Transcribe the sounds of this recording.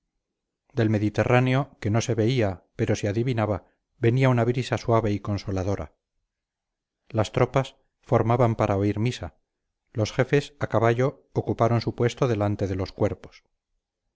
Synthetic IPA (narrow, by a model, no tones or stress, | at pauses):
d̪e̞lmeðit̪e̞rʔaneo̞ke̞no̞se̞βe̞iape̞ɾo̞seaðiβinaβa | βe̞niaunaβɾisaswaβe̞iko̞nso̞laðo̞ɾa̰ | last̪ɾo̞pas | fo̞ɾmaβampaɾʔao̞iɾmisa | lo̞sxe̞fe̞sakaβaʎo̞ːkupaɾo̞nsupwe̞st̪o̞ðe̞lant̪e̞ðe̞lo̞skwe̞ɾpo̞̥s